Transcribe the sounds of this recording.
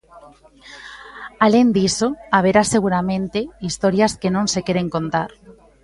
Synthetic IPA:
alend̪isoaβ̞eɾaseɣ̞uɾamẽnt̪eist̪oɾjaskenõnsekeɾeŋko̞nt̪aɾ

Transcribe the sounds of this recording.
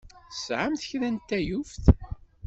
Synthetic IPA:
θsʕamθçɾænt̪ːæjufθ

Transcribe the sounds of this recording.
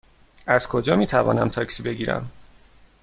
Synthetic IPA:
æzkʰod͡ʒɒːmiːt̪ʰævɒ̰ːnæmt̪ʰɒːcʰsiːbe̞ɡiːɾæ̰m

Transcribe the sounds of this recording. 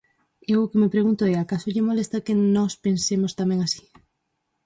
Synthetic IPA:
iewokemepɾeɣ̞unt̪oeakasoʎemolest̪akenɔspensemost̪ameŋasi̥

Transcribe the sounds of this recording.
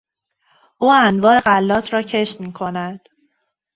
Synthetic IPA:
ʔuːænvɒːe̞ɢælːɒːt̪ʰɾɒːcʰe̞ʃt̪miːkʰonæd̪̥

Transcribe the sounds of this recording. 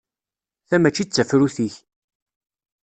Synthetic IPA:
θæmæt͡ʃːit͡sːəfɾuθiç

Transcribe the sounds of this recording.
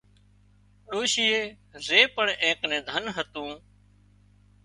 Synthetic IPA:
ɗoːʃiːeː | zeːpəɳẽːknẽːd̪ʱənɦət̪ũː

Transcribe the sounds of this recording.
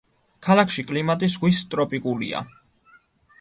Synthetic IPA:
kʰalˠakʰʃikʼlimat̪ʼis̬ʁwist̪ʼɾɔpʼikʼulḭa̰

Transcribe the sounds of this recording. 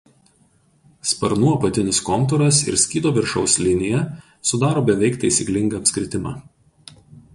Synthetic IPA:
spɐɾnuɔɐpɐt̪ʲɪnʲɪskɔmt̪ɔɾɐsɪ̰ɾsʲkʲiːd̪oːʋʲɪɾʃɐʊsʲlʲɪnʲɪjɛ | sʊd̪ɑːɾoːbʲɛʋʲɛɪkt̪ɐɪsʲiklʲɪŋɡɐɐpʲsʲkɾʲɪt̪ʲɪmɑ̰ː

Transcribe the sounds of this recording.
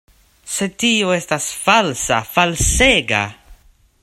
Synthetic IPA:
setioestasfalsa̰falseɡa̰

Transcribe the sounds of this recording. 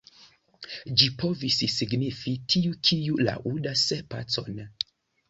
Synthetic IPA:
d͡ʒipʰo̞vissiɡnifitʰiukʰiula̰ʔudasepa̰t͡so̞̰n

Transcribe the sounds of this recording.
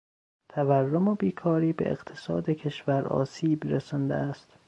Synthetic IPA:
t̪ʰæværːomobiːkʰɒːɾiːbḛḛɡt̪ʰe̥sɒːd̪ecʰe̞ʃvæɾɒ̰ːsiːbɾesɒnd̪ḛæst̪

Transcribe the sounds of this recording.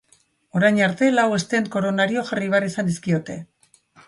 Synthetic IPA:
o̞ɾajɲaɾt̪e̞lawe̞st̪e̞nko̞ɾo̞naɾio̞ʝariβ̞earisand̪iskio̞t̪e̞

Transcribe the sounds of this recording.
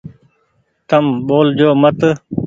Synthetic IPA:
t̪əmɓoːld͡ʑoːmət̪

